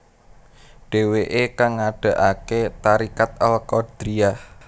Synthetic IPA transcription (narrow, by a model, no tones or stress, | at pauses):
ɖ̥e̤weʔekaŋːaɖ̥ä̤ʔaket̪aɾikat̪̚alkɔd̥ɾiah